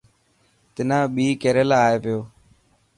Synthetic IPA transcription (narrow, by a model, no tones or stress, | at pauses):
t̪ɪnãːɓiːkeːɾəlaːeːpɪjoː